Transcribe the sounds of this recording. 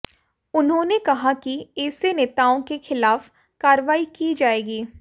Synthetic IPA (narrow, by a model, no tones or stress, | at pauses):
ʊnɦõːnekɐɦakiɛːseneːt̪aːõkexɪlaːf | kaːɾʋaːikid͡ʒaːeːɡiː